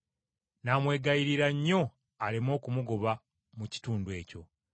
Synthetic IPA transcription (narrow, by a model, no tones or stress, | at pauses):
naːmwe̞ːɡajiɾiɾaɲːo̞ | alimo̞ːkumuɡo̞βa | muci̥tuːndue̞ːco̞